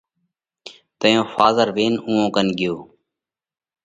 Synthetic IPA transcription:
t̪əjõːfaːzəɾʋeːnũːõːkənɡɪjoː

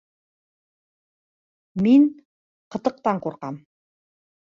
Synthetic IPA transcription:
miŋ | qɤ̆t̪ɤ̆q̚t̪ɑɴquɾqɑm

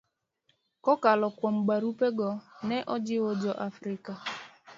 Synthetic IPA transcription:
kɔkalɔkʷɔŋ͡m̩ɡ͡baɾupeɡɔneʔɔd͡ʒɪwod͡ʒɔʔafɾɪka

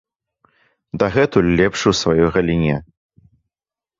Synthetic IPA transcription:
d̪ɐɣɛt̪ulʲːɛpʂɨwsvajɔjɣɐlʲinʲɛ

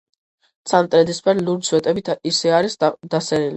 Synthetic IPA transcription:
t̪sʰamt̪ʼɾɛd̪ispʰɛɾluɾsʰwɛt̪ʼɛbit̪ʰisɛaɾisd̪asɛɾili

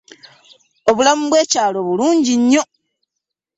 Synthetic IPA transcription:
o̞βulamuβwe̞ːcaːlo̞βuluːɲɟiɲːo̞

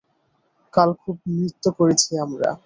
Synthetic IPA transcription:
kalkʰub̚mɾit̪ːokoɾet͡ɕʰiamɾa̰

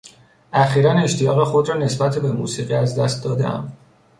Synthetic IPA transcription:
ʔæxiːɾæne̞ʃt̪ʰijɒɣexo̞d̪ɾɒːne̞sbæt̪ʰebe̞mṵːsiːɣiːæzd̪æst̪̚d̪ɒːd̪ḛʔæ̰m

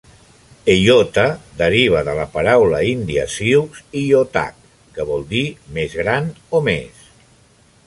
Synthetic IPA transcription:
ejot̪əd̪əɾiβ̞əðələpəɾawləind̪iə̰siwkzijot̪a̰kː | əβɔlˠd̪imezɣ̞ɾanomḛs

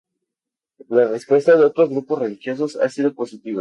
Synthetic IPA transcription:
larespwe̞st̪aðeo̞t̪ɾo̞zɣɾupo̞sre̞lixjo̞s̬o̞sa̰siðo̞po̞sit̪iβa

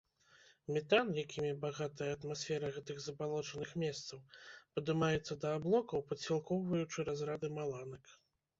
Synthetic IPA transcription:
mʲɛt̪anjakʲʰimʲibaɣat̪ɐjɐːt̪masʲfʲɛɾɐɣɛt̪ɨɣzɐbalˠɔt͡ʂɐnɨxmʲɛst̪sɐwpɐd̪ɨmajɛt̪sːɐd̪ɐːblˠɔkɐwpɐsʲilˠkɔwvɐjut͡ʂɨɾazɾad̪ɨmalˠanɐk

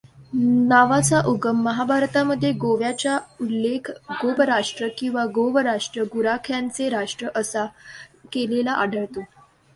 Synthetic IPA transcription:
naʋat͡saʔuɡəmːəɦabʱaɾt̪aməd̪ʱːjeɡoʋjat͡ɕjaulːekʰɡobəɾaʂʈɾəkĩw̃ʋaɡoʋəɾaʂʈɾəɡuɾakʰjãnt͡seɾaʂʈɾəʔəsakelelaʔaɖʱəɭt̪o

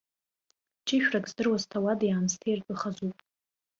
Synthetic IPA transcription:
t͡ʃʼiʃᶣrakʼzdɨrwaztʰawadjaːnstʰijrpʼɨχazupʼ

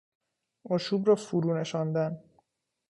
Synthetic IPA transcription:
oʃuːbrɒːfuɾuːne̞ʃɒːnd̪æn

